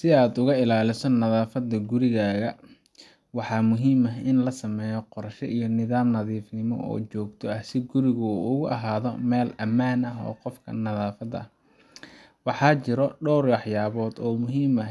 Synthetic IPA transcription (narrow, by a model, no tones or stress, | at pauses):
sɪaːd̪ʊɣɐɪlaːlɪsɔnɐðaːfɐd̪ɐɡʊɾɪɣaːɣɐ | wɑħɑːmʊɦiːmɐɦɪnlɐsɐmɛːjɔqɔrʃɛ̰ʔijɞnɪðaːmnɐðiːfnɪmɔ̰ʔɔ̰ːt͡ʃɔːɡt̪ʰɔɐhsɪɡʊɾɪɣʊṵʊɣʊʔɐ̰ɦaːðɔ̰mɛːlɐmaːnɐɦɔ̰ːqɔfkʰɐ̰nɐðaːfɐðɐ̰h | wɑħɑːt͡ʃɪɾɔɖɔːrwɑħjaːβɔːd̪ɔːmʊɦiːmɐ